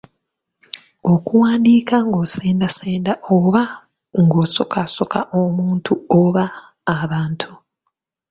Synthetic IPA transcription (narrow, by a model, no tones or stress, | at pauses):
o̞kuwaːndiːkaŋɡo̞ːseːndaseːndaoβa | ŋɡoːso̞kʰaso̞kʰaʔomuːntʰuoβaː | βaːntʰu